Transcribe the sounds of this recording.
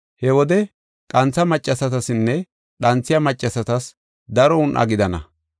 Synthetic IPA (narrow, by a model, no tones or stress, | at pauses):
hɛwɔd̪ɛ | kʼɐnt͡sːɐmɐt͡ʃʼːɐsɐt̪ɐsɪnːɛ | ɗɐnt͡sːɪjɐmɐt͡ʃʼːɐsɐt̪ɐs | d̪ɐɾɔʊnʔɐ̰ɡɪd̪ɐnɐ̰